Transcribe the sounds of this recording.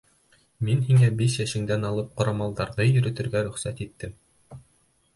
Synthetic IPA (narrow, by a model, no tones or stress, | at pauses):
minhiŋæbiʃjæʃɘ̆ŋd̪ænɑlˠɤp̚qŏɾɑmɑlˠd̪ɑɾðɤjɵ̆ɾɘ̆t̪ɘ̆ɾɡæɾɵ̆χsæt̪it̪ːɘm